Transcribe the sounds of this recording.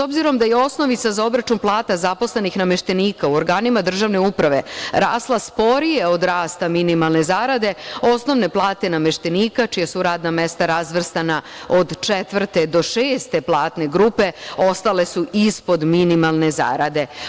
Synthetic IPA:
so̞bziɾo̞md̪ajeo̞sno̞ʋit̪sazao̞bɾat͡ʃunplˠaːt̪azapo̞sle̞nixname̞ʃt̪e̞niːkauoɾɡaːnimad̪r̩ʒaʋne̞upɾaʋe̞ɾaːslˠaspo̞ɾije̞o̞d̪ɾaːst̪aminimalˠne̞zaːɾad̪e̞o̞sno̞ʋne̞plˠaːt̪e̞nameʃt̪eniːkat͡ʃijasuɾaːd̪name̞st̪aɾazʋr̩st̪anao̞d̪t͡ʃet̪ʋr̩t̪e̞d̪o̞ʃeːst̪e̞plˠaːt̪ne̞ɡɾuːpe̞o̞st̪ale̞suispo̞d̪minimalˠne̞za̰ːɾad̪e̞

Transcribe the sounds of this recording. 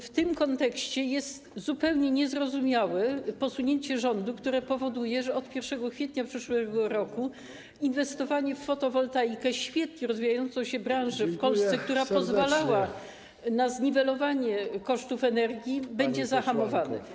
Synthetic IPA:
ft̪ɘmkɔnt̪ɛkɕt͡ɕɛjɛst̪zupɛwɲɛɲɛzɾɔzumʲjawɛpɔsuɲeɲt͡ɕɛʐɔnd̪ukt̪uɾɛpɔvɔd̪ujɛʐɛɔt̪pʲjɛɾfʂɛɡɔkfʲjɛt̪ɲapʂɘʂwɛɡɔɾɔku | invɛst̪ɔvaɲɛfːɔt̪ɔvɔlt̪ajkɛɕfʲjɛt̪̚ɲɛɾɔzvʲijajɔnt̪sɔ̃w̃ɕɛbɾãw̃ʐɛfpɔlssɛk̚t̪uɾapɔzvalawa | nazɲivɛlɔvaɲɛkɔʂt̪ufɛnɛɾɡʲjibɛɲd͡ʑɛzaxamɔvanɛ̰

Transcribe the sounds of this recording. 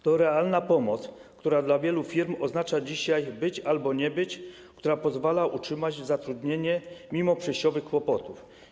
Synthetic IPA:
t̪ɔɾɛalnapɔmɔt̪skt̪uɾad̪lavʲjɛlufʲiɾmɔznat͡ʂad͡ʑiɕajbɘt͡ɕalbɔɲɛbɘt͡ɕ | kt̪uɾapɔzvalaʔutʂɘmad͡ʑzat̪ɾud̪ɲeɲɛmʲimɔpʂɛɕt͡ɕɔvɘxkwɔpɔt̪uf

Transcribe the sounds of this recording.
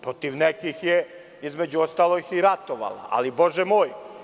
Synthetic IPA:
pɾot̪iʋnekixje | izme̞d͡ʑuost̪aːlˠojixiɾat̪oʋa̰la̰ʔa̰liboʒemoːj

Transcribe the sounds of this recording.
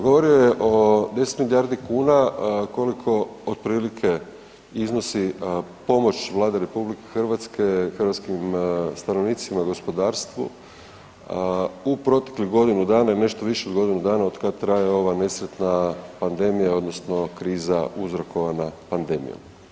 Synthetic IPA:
ɡo̞ʋo̞ɾio̞jeʔo̞d̪e̞set̪milijaːɾd̪ikuːnako̞likʰo̞od̪̥̚pɾiːlikʰe̞ | izno̞sipo̞mo̞t͡ɕʋlˠaːd̪aɾe̞publike̞xrʋat̪skexrʋat̪skimst̪anoʋniːt̪simaɡo̞spo̞d̪aːɾst̪ʋṵ | upɾo̞t̪e̥kliɡo̞d̪inud̪aːnaine̞ʃt̪oʋiʃeod̪ɡo̞d̪inud̪aːnaod̪kad̪̚t̪ɾajeo̞ʋane̞sɾet̪napand̪e̞mijao̞d̪nosno̞kɾiːzauzɾoko̞ʋanapand̪e̞mḭjo̰m

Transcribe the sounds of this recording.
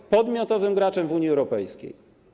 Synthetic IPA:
pɔd̪mʲjɔt̪ɔvɘmɡɾat͡ʂɛmvuɲjiɛwɾɔpɛjskʲḛj

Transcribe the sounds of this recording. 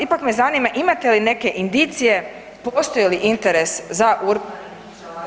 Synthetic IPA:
ipakme̞zaniːmaʔimat̪e̞line̞ke̞ʔind̪it̪sije̞ | po̞st̪o̞jiliʔint̪e̞ɾe̞szaʔuɾ

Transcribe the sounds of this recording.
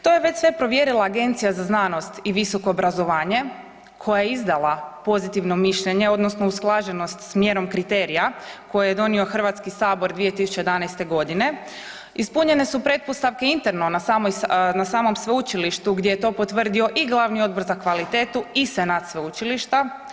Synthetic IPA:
t̪o̞jeʋe̞t͡ɕsʋe̞pɾo̞ʋje̞ɾilˠaːɡe̞nt̪sijazaznano̞st̪iʋiso̞ko̞ːbɾazo̞ʋaːɲe̞ | kʰo̞jajeizd̪alˠapo̞zit̪iʋno̞miʃʎeɲe̞o̞d̪nosno̞usklˠaʒeno̞st̪smje̞ɾo̞mkɾit̪e̞ɾijako̞jejed̪o̞nio̞xr̩ʋat̪skisaːbo̞ɾd̪ʋije̞t̪isu̥t͡ɕejed̪anajst̪e̞ɡo̞d̪ine̞ | ispuɲe̞ne̞supɾe̞t̪̚post̪aʋke̞int̪eɾnonasamojnasaːmo̞msʋeut͡ʃiliʃt̪uɡd̪ʲjejet̪o̞ːpo̞t̪ʋər̩d̪io̞ʔiɡlˠaʋnio̞d̪bo̞ɾzakʋalit̪e̞ːt̪uisenat̪sʋeut͡ʃiliʃt̪a

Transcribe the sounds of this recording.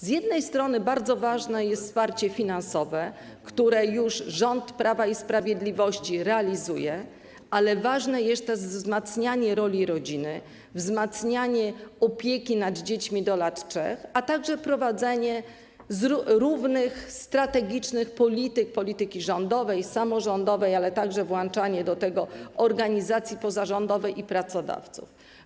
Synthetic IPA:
zjɛd̪nɛjst̪ɾɔnɘbaɾd̪zɔvaʐnɛjɛst̪spaɾt͡ɕɛfʲinansɔvɛ | kt̪uɾɛjuʐʐɔnt̪pɾʔavaispɾavʲjed̪lʲivɔɕt͡ɕiɾɛalʲizṵjɛ | alɛvaʐnɛjɛst̪ɛʂzzmat̪sɲaɲɛɾɔlʲiɾɔd͡ʑinɘ | vzmat̪sɲaɲɛɔpʲjekʲinad̪d͡ʑet͡ɕmʲid̪ɔlat̪ʂɛ̰xat̪aɡʐɛpɾɔvad̪zɛɲɛ | zuɾuvnɘxst̪ɾat̪ɛɡʲit͡ʂnɘxpɔlʲit̪ɘk̚pɔlʲit̪ɘkʲiʐɔnd̪ɔvɛjsamɔʐɔnd̪ɔvɛjalɛt̪aɡʐɛvwant͡ʂaɲɛd̪ɔt̪ɛɡɔɔɾɡaɲizat̪sʲjipɔzaʐɔnd̪ɔvɛjipɾat̪sɔd̪a̰ft̪sṵf

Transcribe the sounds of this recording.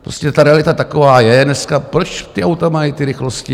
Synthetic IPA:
pɾoscɛt̪aɾɛalɪt̪at̪akovaːjɛnɛskapɾot͡ʃt̪ɪʔawt̪amajit̪ɪɾɪxloscɪ

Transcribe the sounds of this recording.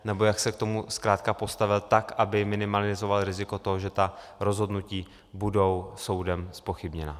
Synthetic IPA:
nɛbo̞jaksɛk̚t̪o̞muskɾaːt̪kapo̞st̪avɪlt̪akʔabɪmɪnɪmalɪzo̞valɾɪzɪko̞t̪oɦoʒɛt̪a | ɾo̞zɦo̞dnuciː | budo̞wso̞wdɛmspo̞xɪbɲɛna

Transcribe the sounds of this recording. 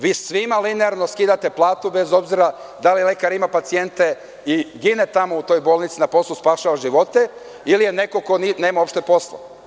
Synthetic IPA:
ʋiːsʋimalineaɾno̞skiːd̪at̪e̞plˠaːt̪ubezo̞bziɾa | d̪alilekaɾimapat̪sije̞nt̪e | iɡinet̪amout̪o̞jbo̞ːlˠnit̪sinapo̞slˠuspaʃaʋaʒiʋo̞t̪e̞ | ilije̞ne̞ko̞ko̞nine̞ːmaopʃt̪e̞po̞sla̰

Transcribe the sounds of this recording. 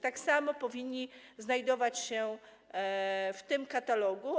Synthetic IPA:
t̪aksamɔpɔvʲiɲːiznajd̪ɔvat͡ɕɕɛ | ft̪ɘmkat̪alɔɡu

